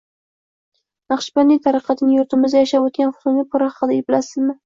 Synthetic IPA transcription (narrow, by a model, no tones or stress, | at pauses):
nɑχʃɪ̥banːɪt̪ʰaɾɨqʰɑt̪ʰɪnɪjʊɾt̪ʰɪmɪzd̪ajaʃapot̪̚kʲanχʊ̥t̪ʊnɪpʰʊɾahɑqɨd̪ajɪbɪlasɪzmɪ